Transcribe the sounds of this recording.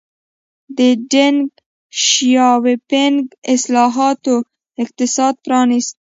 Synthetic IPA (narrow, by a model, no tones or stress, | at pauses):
d̪əɖeŋɡ | ʃjɑwepeŋɡɪslɑɦɑt̪o | ɪq̚t̪ɪsɑd̪̚pɾɑnist̪̚